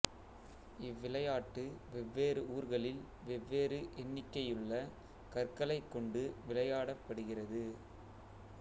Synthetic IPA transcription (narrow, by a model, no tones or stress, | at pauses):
ɪʋːɪlɐjaːʈːɯʋɛʋːeːrɯuːɾɣɐɭɪl | ʋɛʋːeːɾɯʔɛnːɪkːɐjɯɭːɐ | kɐrkɐɭɐɪkːɔɳɖɯʋɪlɐjaːɽɐpːɐɽɯɣɪrɐðɯ